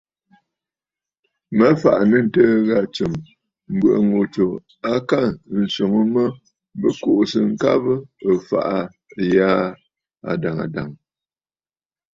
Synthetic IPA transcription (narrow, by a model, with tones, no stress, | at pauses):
mə˦fa̰˨ʔa˨nə˦˨n̩˨təː˦ɣa˦˨t͡ʃɨ˨m | m̩˨bwə˨ʔa˨ŋo˨t͡ʃo˨ | a˦ka˦˨n̩˨so˨ŋə˦mə˦ | bə˦ko˦˨ʔsə˨ŋ̩˦ka˦bə˦ə˨fa̰˨ʔa˦˨ | jaː˦ | a̰˨da˨ŋa̰˨da̰˨ŋ